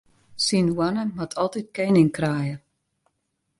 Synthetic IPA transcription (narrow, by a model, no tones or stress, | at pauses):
sinwanəmatʰɔlˠtit̚kenɪŋkraːjə